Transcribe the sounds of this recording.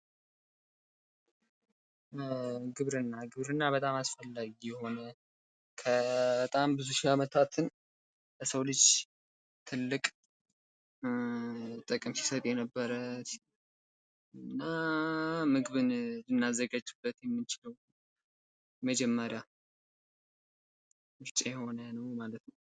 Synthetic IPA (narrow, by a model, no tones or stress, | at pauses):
ɡɨβɾɨnːaɡɨβɾɨnːaβət̪ʼamasfəlːaɡijɛho̞nə | kʰəbət̪ʼambɨzuʃiamət̪ʰat̪ʰɨn | ləsəwlɨd͡ʒ | t̪ʰɨlːɨkʼ | t̪ʼːəkʼəmsi̥sət̪ʼɛnəbːəɾət̪ | ɨnːa | mɨɡɨβɨnlɨnːazːəɡad͡ʒubːət̪jɛmːɨnt͡ʃɪləw | məd͡ʒɛmːəɾja | mɨɾt͡ʃʼejɛho̞nənəwmalət̪nəw